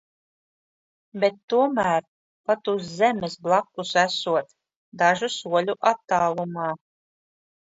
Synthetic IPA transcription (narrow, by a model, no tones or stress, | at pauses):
bet̪ːuɔmæːɾ | pat̪uszɛmesblˠakːusæsuɔt̪ | d̪aʒusuɔlʲuʔat̪ːaːlˠumaː